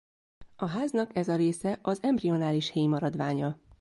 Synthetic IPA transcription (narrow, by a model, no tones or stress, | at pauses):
ɒɦaːznɒkɛzɒɾeːsɛʔɒzɛmbrio̞naːliʃheːjmɒɾɒd̪ʋaːɲɒ